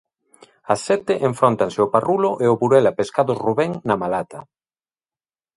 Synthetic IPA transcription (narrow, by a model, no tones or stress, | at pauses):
ɐsːɛt̪ɪʔeɱfɾont̪aŋsɪoparulʊʔeoβuɾɛlapeskaðʊsruβɛŋnamalat̪ɐ